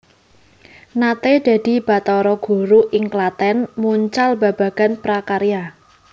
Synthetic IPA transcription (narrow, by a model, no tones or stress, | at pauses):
nat̪ed̪̥ä̤d̪̥i̤b̥a̤t̪ɔɾɔɡ̥ṳɾuʔɪŋklat̪ɛnmuɲt͡ʃalbab̥a̤ɡ̥a̤npɾakaɾija